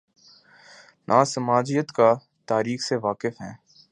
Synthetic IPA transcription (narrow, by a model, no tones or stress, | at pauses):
nʔaːsəmaːd͡ʒijət̪ka | t̪aːɾiːxseʋaːkɪfɦɛ̰̃ː